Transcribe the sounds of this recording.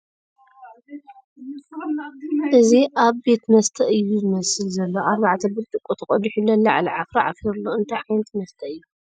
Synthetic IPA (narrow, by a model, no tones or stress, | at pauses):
ʔɨziʔaβbe̞t̪mɐst̪ʰɐʔɨjːuzɨmɐsɨlzɐlːoʔaɾβaʕat̪ʰɐbɨɾt̪ʼɨkʼut̪ʰɐkʼɔd̪iħulɐlːɐʕa̰lɐʕafɾaʕa̰fiɾulːoɨnt̪ʰajxɨjnt̪ʰmɐst̪ʰɐɨjːu